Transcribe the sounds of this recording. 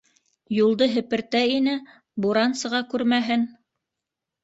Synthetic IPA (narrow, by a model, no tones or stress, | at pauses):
julˠd̪ɤɦɘ̆pɘ̆ɾt̪æinɘ | buɾɑnsɤ̆ʁɑkʉɾmæɦɘn